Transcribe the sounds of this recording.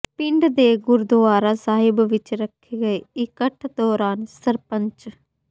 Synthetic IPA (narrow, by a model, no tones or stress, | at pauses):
pɪɳɖd̪eːɡʊɾd̪ʊaːɾaːsaːɦɪbʋɪt͡ʃɾəkʰːeːɡəeːɪkəʈʰd̪ɔːɾaːnsəɾpəɲt͡ʃ